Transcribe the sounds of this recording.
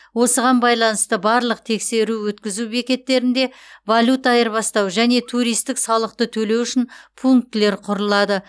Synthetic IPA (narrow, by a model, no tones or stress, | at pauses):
wo̞səʁɑnbɑjlˠɑnəst̪əbɑɾlˠəq̚t̪ʰe̞kse̞ɾuwɵt̪kʲɪzubekʲe̞t̪ːe̞ɾɪnd̪e̞valʲut̪ɑjəɾbɑst̪ɑwʒæne̞t̪ʰuɾijst̪ɪksɑlˠəqt̪ət̪ʰɵle̞wʏʃɪnpʰuŋk̚t̪ɪle̞ɾqʰʊɾəlˠɑd̪ə